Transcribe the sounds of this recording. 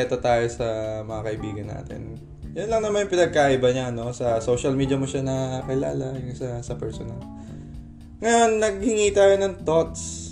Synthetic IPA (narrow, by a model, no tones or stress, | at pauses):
ɛt̪o̞t̪aːjo̞sɐmɐŋɐkɐʔɪbiːɡɐnːa̰ːt̪ɪ̰n | jʊnlɐŋnɐmanjʊŋpɪnɐɡ̚kaːʔɪbɐɲaɐno̞sɐso̞ʃɐlmiːd̪jɐmo̞ʃanɐkɪla̰ːlɐjʊŋsɐsɐpɛɹsonɐl | ŋɐjo̞nːɐɡ̚hɪŋiːt̪aːjonɐŋt̪o̞t̪̚s